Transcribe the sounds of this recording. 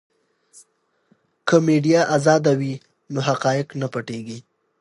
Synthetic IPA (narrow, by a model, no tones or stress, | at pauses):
kʰəmeɖijaʔazɑd̪awi | noɦaqɑjɪqnapaʈeɡi